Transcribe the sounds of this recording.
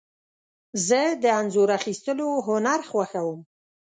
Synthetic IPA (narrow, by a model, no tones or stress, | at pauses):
zəd̪əanzoɾaxist̪əloɦʊnaɾxwaxawəm